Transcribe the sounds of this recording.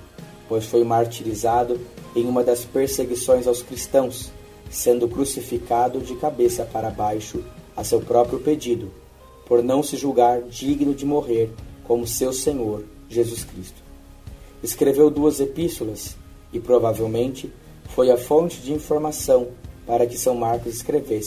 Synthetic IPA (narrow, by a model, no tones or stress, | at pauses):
pojsfojmaɾt͡ʃilizad̪ʊẽj̃ũmɐd̪ɐspeɾseɡisõj̃zawskɾist̪ɐ̃w̃sː | ẽnd̪ʊkɾusifikad̪ʊd͡ʒɪkabesɐpaɾɐabajʃʊɐsewpɾɔpɾjʊped͡ʒid̪ʊ | poɾnɐ̃w̃sɪʒuwɡaɾd͡ʒiɡnʊd͡ʒɪmoɦeɾkõmʊsewsẽɲoɾ | ʒezuskɾist̪ʊ̥ | eskɾevewd̪uɐzepist̪olɐs | ɪpɾovavewmẽnt͡ʃɪ | fojɐfõnt͡ʃɪd͡ʒɪĩfoɾmasɐ̃w̃paɾɐkɪsɐ̃w̃maɾkʊzɪskɾeves